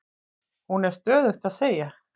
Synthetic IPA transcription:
hunɛɾ̥st̪œːðʏxt̪aðseːja

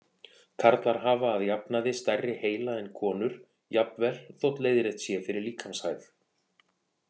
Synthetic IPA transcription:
kʰaɾt̪laɾ̥ɦaːvaːðjapnaðɪst̪arːɪheːjlaɛnkʰɔːnʏɾ̥ | japnvɛɾ̥θowht̪leːjðɪɾɪht̪sjɛfɪɾɪɾliːkʰamsa̰jθ

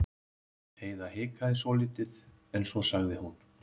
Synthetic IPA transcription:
heːjðahɪːkʰaðɪsɔːlɪt̪ɪð | ɛnsɔsaɣðɪhun

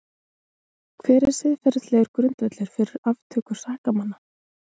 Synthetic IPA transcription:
kʰvɛːɾɪɾ̥sɪðfɛɾɪðfleːjɾkɾʏnt̪vɛt̪lɪɾ̥fɪɾɪɾavt̪ʰʏːkʏɾ̥saːhkamanːa

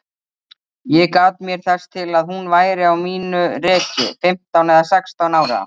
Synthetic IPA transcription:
jɛkaːt̪mjɛɾ̥θast̪ʰɪlaðhunvaːjɾɪawmiːnʏrɛːcʏ̰fɪm̥t̪awnɛðasɛkst̪awnaːwɾa̰

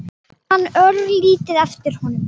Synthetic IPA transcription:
hanːœɾliːt̪ɪðɛft̪ɪɾ̥hɔnʏm

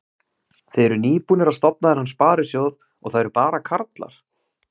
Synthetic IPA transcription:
θejɛɾʏniːpunɪɾaðst̪ɔpnaðɪɾ̥hanspaːɾɪsjoːwð | ɔɣθaðɛɾʏpaːɾakʰaɾt̪la̰ɾ̥

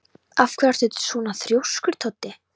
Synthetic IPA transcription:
afkʰvɛɾaɾ̥t̪ɛt̪ʏ̥svɔːnaθɾjowskʏɾ̥t̪ʰɔt̪ːɪ

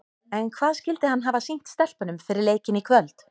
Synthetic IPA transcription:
ɛnkʰvaːðscɪlt̪ɪhanːɦavasin̥t̪st̪ɛl̥panʏmfɪɾɪɾleːjcɪnikʰvœlt̪

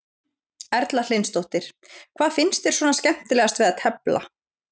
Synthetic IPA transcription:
ɛɾt̪lal̥ejnst̪owht̪ɪɾ̥ | kʰvaːðfɪnst̪ɪɾ̥swɔːnascɛm̥t̪ɪlɛːɣast̪vɛðat̪ʰɛpla̰

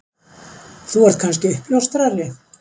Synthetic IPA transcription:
θuɛɾ̥t̪kʰanscɪʏhplawst̪ɾarɪ

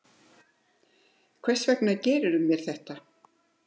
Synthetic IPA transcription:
kʰvɛr̥svɛknacɛːɾʏɾʏmjɛɾ̥θɛht̪a

